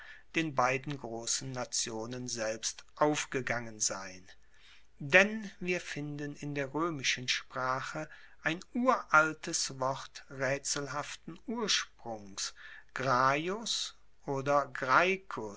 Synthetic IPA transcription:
d̥eːnbaɪdn̩ɡʁoːsn̩ːat͡sjoːnənzɛlpstʔaʊfɡ̥əɡaŋənzaɪn | dɛnviːɐfɪndənɪndeːɐʁøːmɪʃənʃpʁ̥aːχə | ʔaɪnuːɐʔaltʰəsv̥ɔʁtʁɛːt͡sl̩ɦaftn̩uːɐʃpʁ̥ʊŋsɡ̥ʁaːjʊs | ʔoːdɐɡʁaɪkʰʊ

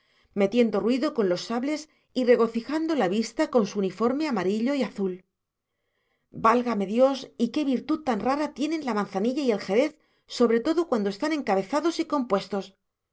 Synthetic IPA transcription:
me̞t̪je̞nd̪o̞rwiðo̞ko̞nlo̞sːaβle̞s | ire̞ɣo̞θixand̪o̞laβist̪ako̞nsuunifo̞ɾme̞amaɾiʎo̞iaθul | balɣame̞ðjo̞sike̞βiɾt̪uð̚t̪anraɾat̪je̞nẽ̞nlamãnθaniʎaie̞lxe̞ɾe̞θ | so̞βɾe̞t̪o̞ðo̞kwand̪oe̞st̪anẽ̞ŋkaβe̞θaðo̞siko̞mpwe̞st̪o̞s

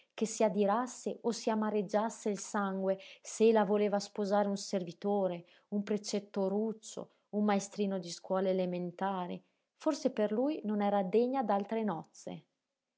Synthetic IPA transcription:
kesiad̪iɾasːeʔosiamaɾed͡ʒːasːeilsaŋɡweseelːavoleːvaspozaːɾeunservit̪oːɾe | umpɾet͡ʃɛt̪ːoɾut͡ʃːo̰ | ummaest̪ɾiːnod̪iskwɔːleːlement̪aːɾḭ | forseperlujnonɛːɾad̪eɲːad̪alt̪ɾenɔt̪sːḛ

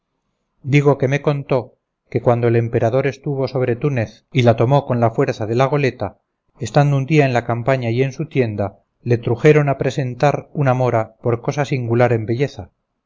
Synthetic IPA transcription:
d̪iɣ̞o̞ke̞me̞ko̞nt̪o̞ | ke̞kwand̪oele̞mpe̞ɾaðo̞ɾe̞st̪uβ̞o̞so̞β̞ɾe̞t̪une̞θ | ilat̪o̞mo̞ko̞nlafwe̞ɾθaðe̞laɣ̞o̞le̞t̪a | est̪and̪ound̪iaenlakampaɲaje̞nsut̪je̞nd̪a | le̞t̪ɾuxe̞ɾo̞napɾe̞se̞nt̪aɾunamo̞ɾapo̞ɾko̞sasiŋɡulaɾe̞mbe̞ʝe̞θa

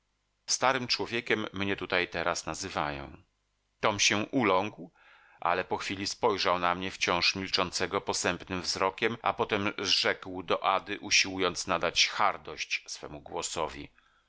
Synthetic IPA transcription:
st̪aɾɘmt͡ʂwɔvʲjɛkʲɛmːɲɛt̪ut̪ajt̪ɛɾʔasnazɘvajɔ̰̃w̃ | t̪ɔmɕɛʔulɔ̃ŋkw | ʔa̰lɛpɔxfʲilʲispɔjʐawnamɲɛft͡ɕɔ̃w̃ʂmʲilt͡ʂɔnt̪sɛɡɔpɔsɛmpnɘmvzɾɔkʲɛmʔa̰pɔt̪ɛmʐɛkwd̪ɔʔad̪ɘʔuɕiwujɔnt̪snad̪at͡ɕxaɾd̪ɔɕt͡ɕsfɛ̰muɡwɔsɔvʲḭ

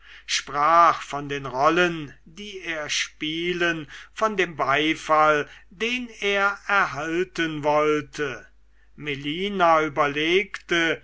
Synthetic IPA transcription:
ʃpʁ̥aːχfɔndeːnʁɔlən | diːeːɐʃpiːlənfɔndeːmbaɪfaldeːneːɐɛɐɦaltənvɔltʰə | meliːnayːbɐleːktə

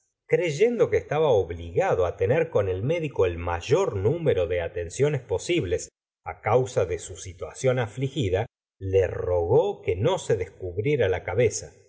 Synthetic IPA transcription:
kɾe̞ʒe̞nd̪o̞keːst̪aβaoβliɣaðoat̪e̞neɾko̞ne̞lme̞ðikoelmaʒo̞ɾnumeɾo̞ðe̞at̪e̞nsjo̞nespo̞siβle̞s | a̰kawsaðesusit̪wasjo̞naflixiða | lero̞ɣo̞ke̞no̞se̞ðeskuβɾje̞ɾalakaβe̞sa

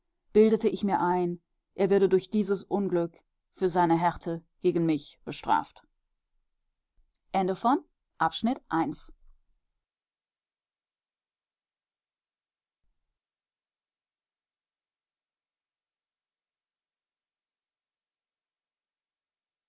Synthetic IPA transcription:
b̥ɪldətəʔɪçmiːɐʔaɪn | ʔeːɐvɪɐdədʊɐçd̥iːzəsʔʊnɡlʏk | fyːɐzaɪnəɦɛʁtʰəɡ̥eːɡn̩mɪçb̥əʃtʁ̥a̰ːft | ʔɛndəfɔn | ʔapʃnɪtʔaɪns

